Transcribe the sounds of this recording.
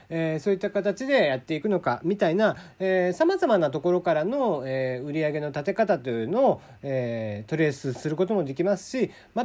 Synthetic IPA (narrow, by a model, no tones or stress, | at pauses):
eso̞ːit̪ːakat̪at͡ɕid̪e̞jat̪ːe̞ikɯ̟no̞ka̰mʲit̪ainaesamazamanat̪o̞ko̞ɾo̞kaɾano̞eɯ̟ɾʲiaɡe̞no̞t̪at̪e̞kat̪at̪oɯno̞ː | eːt̪o̞ɾe̞sɨsɨɾɯ̟ko̞t̪o̞mo̞d̪e̞kʲimasɨ̥ɕi | ma